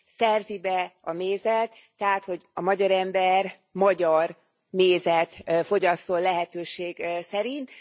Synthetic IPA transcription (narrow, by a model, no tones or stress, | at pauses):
sɛrzibɛɒmeːzɛt̪ːɛɦaːt̪ho̞ɟɒmɒɟɒɾɛmbɛr | mɒɟɒr | meːzɛt̪fo̞ɟɒst̪o̞lːɛɦɛt̪øːʃeːɡsɛɾint̪